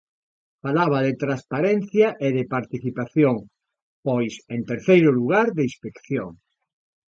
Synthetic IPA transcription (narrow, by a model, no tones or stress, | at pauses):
falaβaðɪt̪ɾaspaɾenθjaʔeðɪpaɾt̪iθipaθjoŋ | pojsent̪eɾθejɾʊluɣaɾðeispekθjoŋ